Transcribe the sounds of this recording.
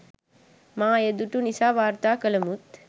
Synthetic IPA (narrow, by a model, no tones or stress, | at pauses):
maːed̪uʈunisaːʋaːɾt̪aːkələmut̪